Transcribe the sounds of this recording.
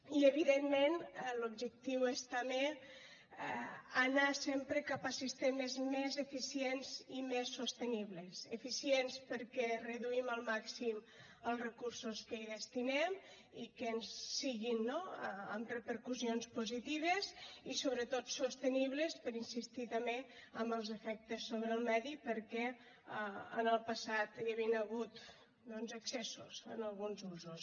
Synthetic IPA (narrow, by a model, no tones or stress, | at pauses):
iəβiðemːenlubʒək̚t̪iwest̪əme | ənasempɾəkapasist̪emezmezefisienzimesːost̪əniβlesefisienspəɾkɛrəðuiməlˠmaksim | əlˠrəkuɾsoskəiðəst̪inem | ikənsːiɣinːoəə̰mrəpəɾkuzionspuzit̪iβ̞əzisoβɾət̪ot̪sust̪əniβləspəɾinsist̪it̪əmeəmbəlˠzəfɛk̚t̪əsːoβɾəːlˠmɛðipəɾkɛ | əənəlˠpəsat̪jəβinəɣut̪ | d̪ɔnzəksɛsṵzə̰nəlˠɣunzuzus